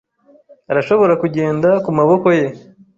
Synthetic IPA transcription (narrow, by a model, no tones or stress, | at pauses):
aɾaʃo̞βo̞ɾakuɟe̞ːndakumaβo̞ko̞je̞